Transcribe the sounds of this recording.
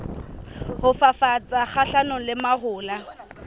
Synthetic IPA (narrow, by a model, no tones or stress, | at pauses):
hʊfafat͡sʼak͡xʰaɬanʊlɪmahʊːla